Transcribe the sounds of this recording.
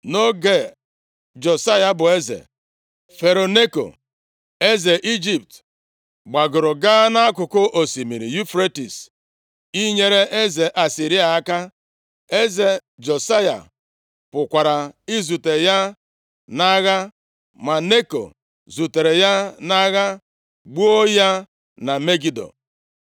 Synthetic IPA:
no˦ɡe˨ | d͡ʒo˨sa˦ja˨bʊ˨e˦zḛ˨ | fe˨ɾo˨ne˦ko̰˨ | e˦ze˨ʔi˦d͡ʒi˨p̚t | ɡ͡ba˨ɡʊ˨ɾʊ˨ɡa˦na˦a˦kʊ˨kʊ˦ʔo˨si˨mi˨ɾḭ˨ju˦fɾe˦tḭ˨s | i˦ɲe˦ɾe˦ʔe˦ze˨ʔa˨si˨ɾi˦a˨a˦ka˦ | e˦ze˨d͡ʒo˨sa˦ja̰˨ | pʊ˨kʷa˨ɾa˨i˦zu˨te˨ja˦ | na˦ɣa˦ | ma˨ne˦ko̰˨ | zu˨te˨ɾe˨ja˦na˦ɣa˦ | ɡ͡bu˦o˦ja˦ | na˨me˦ɡi˨do̰˨

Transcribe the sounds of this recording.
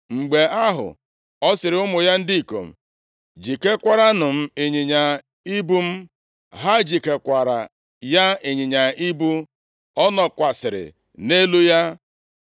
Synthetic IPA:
ŋ͡m̩˨ɡ͡be˨a˦ɦʊ̰˨ | ɔ˦sɪ˨ɾɪ˨ʊ˦mʊ˨ja˦n̩˦di˦i˨ko̰˨m̩˨ | d͡ʒi˨ke˦kʷa˦ɾa˦nʊ˨m̩˦e˨ɲi˨ɲa˨ | i˦bu˦m̩˦ | ɦa˦d͡ʒi˨ke˨kʷa˨ɾa̰˨ | ja˦e˨ɲi˨ɲa˨i˦bu˦ | ɔ˦nɔ˨kʷa˨sɪ˨ɾɪ̰˨ | ne˦lu˦ja˦

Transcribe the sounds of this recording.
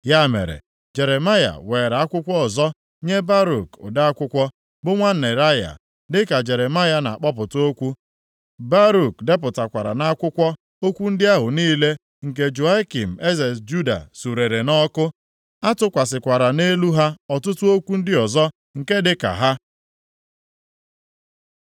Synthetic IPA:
ja˦˨mḛ˨ɾḛ˨ | d͡ʒe˨ɾe˨ma˦ja̰˨we˨ɾa˦kʷʊ˦kʷɔ˦ɔ˨zɔ˦ | ɲe˦ba˦ɾu˨kʊ̰˨da˦a˦kʷʊ˦kʷɔ˦ | bʊ˦ŋʷa˦n̩˨e˨ɾa˦ja̰˨ | dɪ˦ka˨d͡ʒe˨ɾe˨ma˦ja˦na̰˨a˨k͡pɔ˦p̬ʊ˨to˦kʷu˦ | ba˦ɾu˨kde˦pʊ˨ta˨kʷa˨ɾa̰˨na˦kʷʊ˦kʷɔ˦ | o˦kʷu˦n̩˦dɪ˦a˦ɦʊ˨niː˦le˦ | ŋ̩˨k̬e˦d͡ʒu˨a˦ki˨m̩˨e˦ze˨sd͡ʒu˦da̰˨su˨ɾe˨ɾe˨nɔ˦kʊ˦ | a˦tʊ˦kʷa˨sɪ˨kʷa˨ɾa˨ne˦lu˦ɦa˦ɔ˨tʊ˦tʊ˦o˦kʷu˦n̩˦dɪ˦ɔ˨zɔ˦ | ŋ̩˨ke˦dɪ˦ka̰˨ɦa˦

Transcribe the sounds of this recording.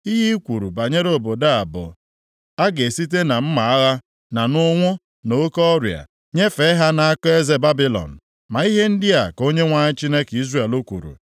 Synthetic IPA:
i˦ɦi˦kʷu˨ɾṵ˨ba˨ɲe˦ɾo˨bo˨da˦a˨bʊ̰˨ | a˦ɡe˨si˦t̬e˦na˨m̩˦ma˨a˦ɣa˦ | na˨nʊ˦ŋʷʊ˦ | no˦kɔ˦ɾja̰˨ | ɲe˦fe˨˦ɦa˦na˨a˦kɔ˦e˦ze˦ba˦bi˨lɔ̰˨n̩˨ | ma˨i˦ɦe˦n̩˦dɪ˦a˨ko˦ɲe˦ŋʷa˨ɲɪ˦t͡ʃi˦ne˦ki˦zre˨e˨lo˦kʷṵ˨ɾṵ˨

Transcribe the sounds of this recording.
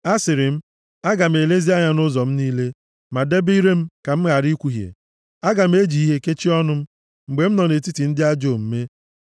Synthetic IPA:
a˦sɪ˨ɾɪ˨m̩˦ | a˦ɡa˨m̩˨e˨le˦zi˦a˦ɲa˦nʊ˦zɔ˨m̩˦niː˦le˦ | ma˨de˦bi˦ɾe˦m̩˦ka˨m̩˦ɣa˨ɾi˦kʷu˨ɦjḛ˨ | a˦ɡa˨m̩˦e˦d͡ʒi˨i˦ɦe˦ke˦t͡ʃi˦ɔ˦nʊ˦m̩˦ | ŋ͡m̩˨ɡ͡be˨m̩˦nɔ˨ne˨ti˦ti˨n̩˦dɪ˦a˦d͡ʒo˦˨m̩˦me˦

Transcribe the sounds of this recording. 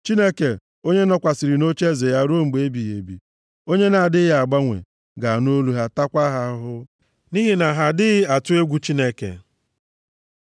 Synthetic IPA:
t͡ʃi˦ne˦ke˨ | o˦ɲe˦nɔ˦kʷa˨si˨ɾi˨no˦t͡ʃe˦ze˨ja˦ɾu˦o˦ŋ͡m̩˨ɡ͡be˨e˦bi˨ɦe˨bḭ˨ | o˦ɲe˦na˨a˨dɪ˦ja˨ɡ͡ba˦ŋʷḛ˨ | ɡa˨a˨no˦lu˦ɦa˦ta˦kʷa˦ɦa˨˦ɦʊ˦ | ni˦ɦi˦na˨ɦa˨dɪ˦ɣɪ˦a˨tʊ˦e˦ɡʷu˦t͡ʃi˦ne˦kḛ˨

